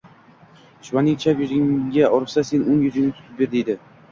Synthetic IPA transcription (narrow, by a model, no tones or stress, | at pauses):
ʃvanɪŋt͡ʃʰapjʊzɪŋɡʲaɒɾɨsase̞nʊnjʊzɪŋnɪt̪ʰʊ̥t̪ʰɪp̚be̞ɾd̪ed̪ɪ